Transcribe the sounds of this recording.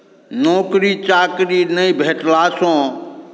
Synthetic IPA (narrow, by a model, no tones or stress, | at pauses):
nɔːkɾit͡ʃaːkɾinəĩbʱeːʈlaːsõː